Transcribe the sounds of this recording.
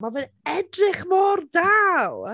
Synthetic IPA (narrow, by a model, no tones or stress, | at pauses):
mavɨn | ɛdrɪχmɔːrdaːlˠ